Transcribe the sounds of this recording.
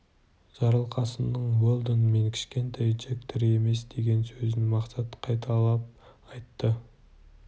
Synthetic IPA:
ʒ̥ɑɾəlˠqɑsənəɴwolˠd̪ənme̞ŋkʲʰɪ̥ʃkʲe̞nt̪ʰɑjd͡ʒek̚t̪ʰɪɾe̞me̞sd̪e̞ɡʲe̞nsɵzɪnmɑqsɑt̪qʰɑjt̪ʰɑlˠɑp̚ɑjt̪ːə

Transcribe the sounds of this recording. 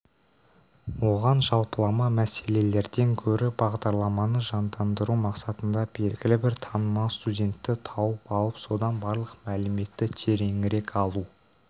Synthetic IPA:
wo̞ʁɑnʒɑlˠpəlˠɑmɑmæse̞le̞le̞ɾd̪e̞ŋkʲʰɵɾɪbɑʁd̪ɑɾlˠɑmɑnəʒɑnd̪ɑnd̪əɾumɑqsɑt̪ənd̪ɑbe̞ɾɡʲɪlɪbɪɾt̪ʰɑnəmɑwst̪udʲe̞nt̪ːɪt̪ʰɑwəpɑlˠəpso̞d̪ɑnbɑɾlˠəqmælɪme̞t̪ːɪt̪ʰeɾe̞ŋɪɾe̞kʰɑlˠu

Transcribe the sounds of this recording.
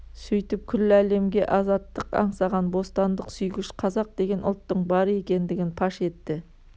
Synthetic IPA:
sɵjt̪ɪp̚kʲʰʏlːɪæle̞mɡʲe̞ʔɑzɑt̪ːəqɑ̰ɴsɑʁɑnbo̞st̪ɑnd̪əqsʏjɡʲɪʃqʰɑzɑq̚d̪e̞ɡʲe̞nʔʊ̰lˠt̪ːəɴbɑɾəe̞kʲe̞nd̪ɪɡʲɪnpʰɑʃe̞t̪ːɪ

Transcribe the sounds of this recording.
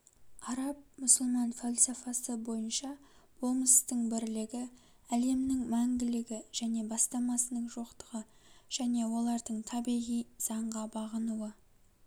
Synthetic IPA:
ɑɾɑp̚mʏsəlˠmɑnfolʲˠsofɑsəbo̞jənʃɑb̥o̞lˠməst̪əɴbɪɾlɪɡʲɪ | æle̞mnɪŋmæŋɡʲɪlɪɡʲɪʒ̥æne̞bɑst̪ɑmɑsənəɴʒo̞qt̪əʁəʒ̥æne̞wo̞lˠɑɾd̪əɴt̪ʰɑbiʁijz̥ɑɴʁɑbɑʁənuwə

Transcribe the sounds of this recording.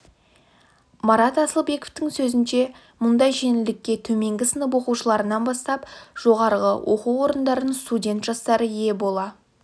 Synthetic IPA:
mɑɾɑt̪ɑsəlˠbe̞koft̪ɪŋsɵzɪnʃe̞ | mʊnd̪ɑjʒe̞nɪld̪ɪkʲːe̞t̪ʰɵme̞ŋɡʲɪsənəp̬wo̞quʃəlˠɑɾənɑnbɑst̪ɑpʒ̥o̞ʁɑɾʁəwʔo̞quwo̞ɾənd̪ɑɾənənst̪udʲe̞nt̪ʒ̥ɑst̪ɑɾəje̞bo̞lˠɑ

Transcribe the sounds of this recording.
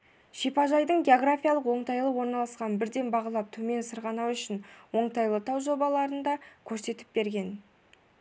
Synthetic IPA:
ʃipɑʒɑjd̪əɴɡʲeoɡɾafʲijalˠəqwo̞ɴt̪ɑjlˠəwo̞ɾnɑlˠɑsqɑnbɪɾd̪e̞nbɑʁɑlˠɑp̚t̪ʰɵme̞nsəɾʁɑnɑwʏʃɪnwo̞ɴt̪ɑjlˠət̪ʰɑwʒo̞bɑlˠɑɾənd̪ɑkʲʰɵɾse̞t̪ɪ̥p̚be̞ɾɡʲe̞n

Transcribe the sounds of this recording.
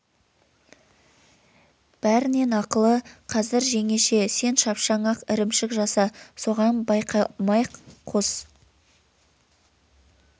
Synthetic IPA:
b̥æɾɪne̞nɑqəlˠəqʰɑzɪɾʒe̞ŋe̞ʃe̞se̞nʃɑpʃɑɴɑqɪɾɪmʃɪkʒɑsɑso̞ʁɑnbɑjqʰɑmɑjqːʰo̞s

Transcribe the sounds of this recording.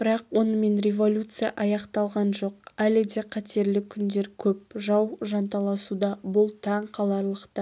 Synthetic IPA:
bɪɾɑqwo̞nəme̞nɾʲe̞vo̞lʲut̪sɨja̰ʔɑjɑqt̪ɑlˠʁɑnʒo̞qælɪd̪e̞qʰɑt̪e̞ɾlɪkʲʰʏnd̪e̞ɾkʲʰɵpʒɑwʒɑnt̪ɑlˠɑsud̪ɑbʊlˠt̪ʰɑɴqʰɑlˠɑɾlˠəqt̪ə

